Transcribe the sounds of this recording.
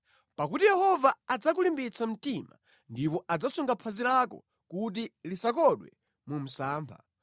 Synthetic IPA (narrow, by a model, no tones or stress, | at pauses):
pakutijɛhɔvaːd͡zak̬ulimbit͡sʰam̩tima̰ | ndipɔʔad͡zasuŋɡapʰazilakɔ̰ | kut̬ilisak̬ɔɗwɛ̰ | mum̩saːmpʰa̰